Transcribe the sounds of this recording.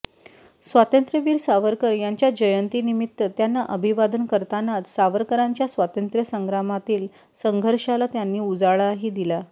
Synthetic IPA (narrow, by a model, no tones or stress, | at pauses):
sʋat̪ənt̪ɾjəʋiːɾsaʋəɾkəɾjaɲt͡ɕjad͡ʑəjənt̪iːnimit̪ːət̪janːaʔəbʱiʋad̪ənkəɾt̪anat̪saʋəɾkəɾaɲt͡ɕjasʋat̪ənt̪ɾjəsəŋɡɾamat̪iːl | səŋɡʱəɾʂalat̪janːiːud͡zaɭaɦiːd̪ila